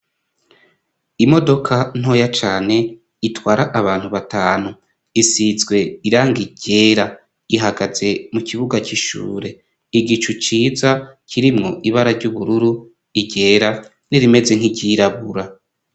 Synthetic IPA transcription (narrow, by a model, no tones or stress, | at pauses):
imo̞do̞kʰan̥o̞ːjat͡ʃaːne̞ | itwaːɾaʔaβaːn̥huβataːnu | isizɡwe̞iɾaːŋɡiɟe̞ːɾa | iɦaɡaze̞mukiβuɡaciʃṵːɾe̞ | iɡit͡ʃut͡ʃiːzacʰiɾimŋo̞ʔiβaɾaɾɟuβuɾuɾu | iɟe̞ɾa | niɾime̞ze̞ŋ̥iɟiɾaβuɾa